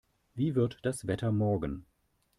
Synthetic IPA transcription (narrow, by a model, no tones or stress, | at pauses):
viːvɪɐtd̥asv̥ɛtʰɐmɔɐɡən̩